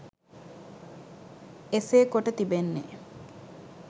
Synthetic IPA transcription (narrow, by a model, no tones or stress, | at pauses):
eseːkoʈət̪ibenːḛ